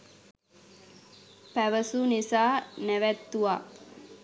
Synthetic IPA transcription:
pæʋəsunisaːnæʋæt̪ːuʋaː

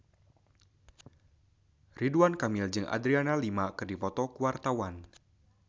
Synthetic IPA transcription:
riduankamɪld͡ʒɨŋʔa̰d̪ɾianalimakɨrdipɔt̪ɔkuwart̪awan

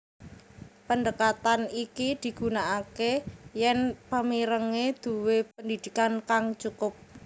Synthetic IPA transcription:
pənd̪əkat̪anikid̪̥i̤ɡ̥ṳnaʔakejɛnpəmiɾəŋed̪̥ṳwepənd̪id̪̥i̤kankaŋt͡ʃukʊp̚

